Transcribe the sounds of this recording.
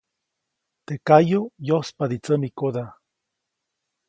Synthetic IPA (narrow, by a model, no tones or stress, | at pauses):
t̪ekajojospad̪it͡səmikod̪a